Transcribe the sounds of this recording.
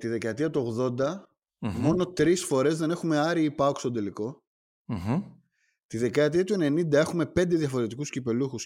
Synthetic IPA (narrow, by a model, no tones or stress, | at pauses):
t̪iðe̞kɐt̪iɐt̪uo̞ɣðo̞nd̪ɐ | mo̞no̞t̪ɾisfo̞ɾe̞zðe̞ne̞xume̞ɐɾiipɐokst̪ond̪eliko̞ | t̪iðe̞kɐt̪iɐt̪ue̞ne̞nind̪ɐe̞xume̞pe̞nd̪e̞ðjɐfo̞ɾe̞t̪ikuscipe̞luxus